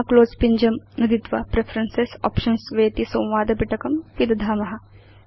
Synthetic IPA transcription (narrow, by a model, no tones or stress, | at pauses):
kloːzpiɲd͡ʒɐmnɐd̪it̪ʋa̰pɾefʰɾɐnsesɔ̰ːpʃɐnsʋeːt̪isɐ̃w̃ʋaːd̪ɐbiʈɐkɐmpid̪ɐd̪ʱaːmɐɦɐ